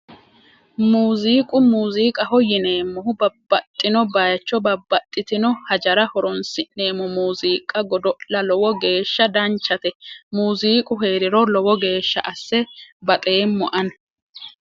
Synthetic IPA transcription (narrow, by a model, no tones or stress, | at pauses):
muːziːkʼʊmuːziːkʼɐhɔjːɪne̞ːmːɔɦʊbɐbːɐt̪ʼːɪnɔbɐjɐt͡ʃːɔbɐbːɐt̪ʼːɪt̪ɪnɔhɐd͡ʒɐɾɐhɔɾɔnsɪne̞ːmɔmuːziːkʼːɐɡɔd̪ɔʔlɐlɔwɔɡe̞ːʃːɐd̪ɐnt͡ʃːɐt̪ɛmuːziːkʼʊɦe̞ːɾɪɾɔlɔwɔɡe̞ːʃːɐ̰ʔɐsːɛbɐt̪ʼe̞ːmːɔʔɐn